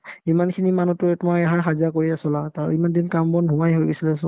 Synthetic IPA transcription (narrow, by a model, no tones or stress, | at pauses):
imankʰinimanutʊɛtmaɛɦaɹxaziakoɹiasɔlataɹ̰imandinkambɔnbʱumajɦojbisilɛasɔ̃